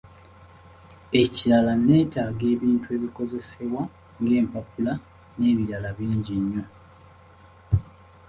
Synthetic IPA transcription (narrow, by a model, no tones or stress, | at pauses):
e̞ciɾalane̞ːtaːɡe̞ːβiːntue̞ːβiko̞ze̞se̞βwa | ŋɡe̞ːmpapula | ne̞βiɾalaβiːɲɟiɲːo̞